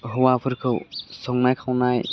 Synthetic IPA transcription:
ɦɔwapʰɯɾkʰɯwsɔŋnajkʰawnaj

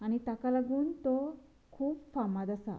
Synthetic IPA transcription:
añit̪akalaɡuːnt̪o | kʰuːpfamad̪asa̰

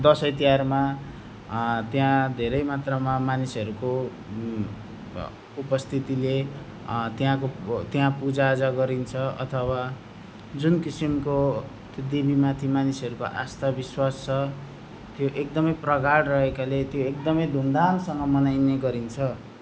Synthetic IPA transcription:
d̪ʌsʌjt̪iarma | t̪jãd̪ʱeɾʌjmat̪rʌmamanisʌɾuko | upʌst̪ʰit̪ile | t̪jãkot̪jãpud͡zaːd͡zaɡʌɾint͡sʰʌʌ̰t̪ʰʌwa | d͡zunkisimko | t̪od̪ibimat̪ʰimanisʌɾuko̰ʔa̰st̪abiswast͡sʰʌ | t̪joʔek̚d̪ʌmʌjprʌkaɽrʌɦekalet̪joekd̪ʌmʌjd̪ʱuŋd̪ansʌŋɡʌmʌnajneɡʌɾint͡sʰʌ

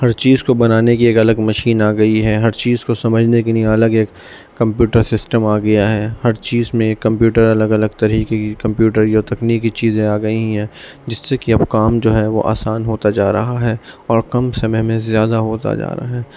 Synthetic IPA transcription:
hɐɾt͡ʃiːzkobɐnaːnekieːkɐləɡmɐʃiːnaːɡɐiɦɛɦɐɾt͡ʃiːzkosɐməd͡ʒʱnekelijẽɐləɡeːkː | ɐ̃mpjuːʈəɾsɪsʈəmaːɡɐjaɦɛːhɐɾt͡ʃiːzmẽkːɐ̃mpjuːʈəɾɐləɡɐləɡt̪ɐɾiːkekikɐ̃mpjuːʈəɾjoːt̪ɐkniːkit͡ʃiːzẽaːɡɐiɦɦɛ̃ː | d͡ʒɪsːekiɐbkaːmd͡ʒoːɦɛʋo̰ʔa̰ːsaːnɦoːt̪ad͡ʒaːɾɐɦaɦɛːɔːɾkɐmsɐməɦməẽzjaːd̪aɦoːt̪a̰d͡ʒa̰ːɾɐa̰ɦɛː

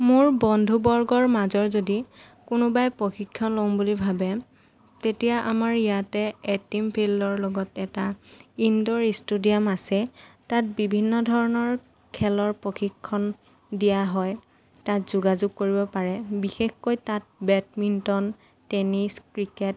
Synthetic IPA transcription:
mʊɹbɔndʱubɔɹɡɔɹmazɔɹzodi | kʊnʊbajpoxikʰːɔnlombulibʱabɛ | tetijaʔamaɹijatɛetimpʰilɔɹlɔɡɔtɛtaindɔɹistudijamasɛtat̚bibʱinːɔdʱɔɹɔnɔɹ | kʰɛlɔɹpɹoxikʰːɔn | dijaɦɔj | tatzuɡazuɡ̚koɹibɔpaɹɛbixexkojtat̚bɛtmintɔn | tɛniskɹikɛt̚

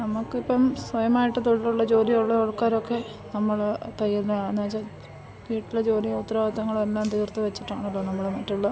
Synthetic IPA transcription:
nɐmukːipːɐmswɐjɐmaːjiʈːɨt̪oɻɐɾuɭːɐt͡ɕo̞ːɾijoɭːeoɻukːaːɾo̞kːe̞ | nɐmːɐɭt̪ɐjːinɐnɐːt͡ɕːɐ | ʋiːʈːiled͡ʑo̞ːɾijɐut̪raːʋɐt̪ːɐŋːɐɭelːaːmt̪iːrt̪ːɨʋet͡ɕːi̥ʈːa̰ːɳilːoːnɐmːɐɭemɐtːuɭːɐ

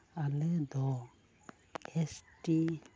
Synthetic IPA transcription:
alɯd̪ɔ | esʈi

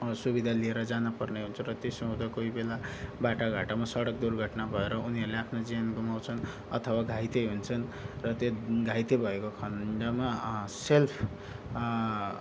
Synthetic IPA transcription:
subid̪ʱalieɾʌd͡zanupʌrneɦunt͡sʰʌrʌt̪osʌɦũd̪akoibelabaʈaɡʱaʈamasʌɽʌk̚d̪urɡʱʌʈnabʱʌeɾʌuniɦʌɾuleapʰnod͡zijanɡumawt͡sʰʌn | ʌ̰t̪ʰʌwaɡʱajt̪eɦunt͡sʰʌnrʌt̪joɡʱajt̪ebʱʌekokʰʌɳɖamaselpʰ

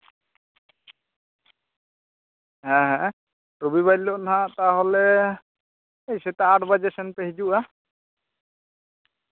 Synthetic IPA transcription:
ɦɛ̃ɦɛ̃ | ɾubiβadlɔʔnaɦãʔt̪aɦɔlɛ | ejsɛt̪aaʈbad͡ʒɛsɛnpɛɦid͡ʒuʔa

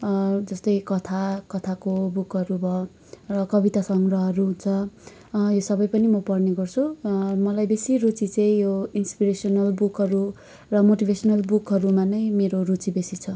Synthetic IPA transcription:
d͡zʌst̪ʌjkʌt̪ʰakʌt̪ʰakobukʌɾubʱʌ | rʌkʌbit̪asʌŋrʌɦʌɾuɦunt͡sʰʌ | josʌbʌjpʌnimʌpʌrneɡʌrt͡sʰumʌlajbesirut͡sit͡sʌ̃j̃joinspiɾesʌnʌlbukɦʌɾu | rʌmoʈibʱesʌnʌlbukɦʌɾumanʌjmeɾorut͡sibesit͡sʰʌ

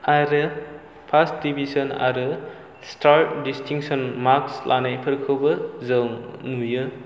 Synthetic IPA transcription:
aɾɯ | pʰasdibʱisɔna̰ɾɯ | staɾʈ̚distʰiŋsɔnmakslʔa̰najpʰɯɾkʰɯwbɐzɯwnujɯ

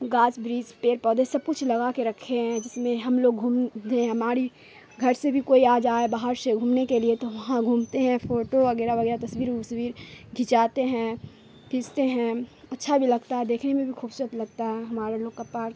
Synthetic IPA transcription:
ɡaːt͡ʃbɾiːzpeːɾpɔːd̪esɐb̚kʊt͡ʃʰlɐɡakeɾɐkʰːeɦɛ̃d͡ʒɪsmẽɦɐmloːɡɡʱũːmd̪eɦɐmaːɾi | ɡʱɐɾsebʱikoːiaːd͡ʒaːebaːɦəɾseɡʱuːmnekeliet̪oʋɐɦãɡʱuːmt̪eɦɛ̃fʰoːʈoʋɐɡɛːɾaʋɐɡɛːɾat̪ɐswiːɾusʋiːɾɡʱit͡ʃaːt̪eɦɛ̃ | kɪst̪eɦɛ̃ɐtːʃʰabʱilɐɡt̪aɦɛd̪eːkʰnemẽbʱixʰuːbsuːɾət̪lɐɡ̚t̪aɦɛɦɐmaːɾeloːɡkɐpaːɾ

